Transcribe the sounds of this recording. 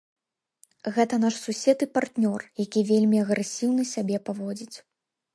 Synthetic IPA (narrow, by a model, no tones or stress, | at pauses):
ɣɛt̪ɐn̪aʂsusʲɛt̪ɨpart̪nʲɔrjakʲivʲelʲmʲiɐɣɾɛsʲiwnɨsʲabʲɛpavɔd͡zʲit͡sʲ